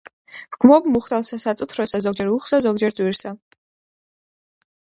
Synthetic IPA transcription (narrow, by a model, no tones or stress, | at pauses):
pɡʰmɔbmuχt̪alˠsasat̪sʼut̪ʰɾɔsazɔɡd͡ʒɛɾuχsazɔɡ̚d͡ʒɛɾzʼwiɾsa